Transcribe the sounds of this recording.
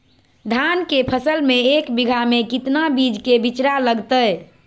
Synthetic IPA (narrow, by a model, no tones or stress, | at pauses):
d̪ʱankepʰəsəlmeekbiɡʱamekit̪nabid͡ʒkebit͡ʃɾaləɡt̪əj